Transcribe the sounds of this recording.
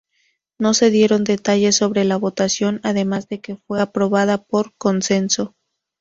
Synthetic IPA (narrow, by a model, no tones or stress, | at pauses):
no̞se̞ðje̞ɾo̞nd̪e̞t̪aʝe̞sːo̞βɾe̞laβo̞t̪asjo̞naðe̞mazðe̞ke̞fwe̞apɾo̞βað̞apo̞ɾko̞nse̞nso̞